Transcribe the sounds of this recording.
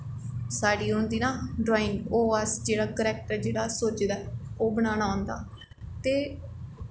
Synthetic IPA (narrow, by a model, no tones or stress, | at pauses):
saːɖiːɦʊnd̪iːnãːɖɾoːɪ̃ŋɡoːəsd͡ʒeːɽaːkəɾɛːk̚ʈəɾd͡ʒeːɽaːsoːt͡ʃd̪aɛoːbəɽ̃aːnaːʊnd̪a̰ː | t̪eː